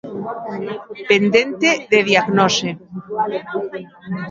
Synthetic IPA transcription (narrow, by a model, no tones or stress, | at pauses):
pend̪ent̪eðeðiaɣnose